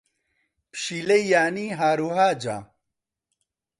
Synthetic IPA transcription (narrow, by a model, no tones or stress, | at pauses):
pɕilɐijaːniɦaːɾuɦaːd͡ʑa̰ː